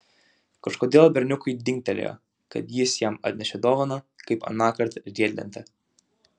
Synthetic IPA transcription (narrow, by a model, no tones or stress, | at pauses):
kɐʃkoːd̪ʲeːlˠbʲɛɾʲnʲʊkʊɪd̪ʲɪŋkʲt̪ʲɛlʲɛ̰jɔ̰ | kɐ̰t̪jɪsjɛmɐ̰t̪ʲnʲɛʃʲɛd̪ɔːʋɐnɐ | kɐɪpɐ̰nɑːkɐɾt̪ʒʲd̪ʲiɛd̪ʲlʲɛ̰nʲt̪ʲɛ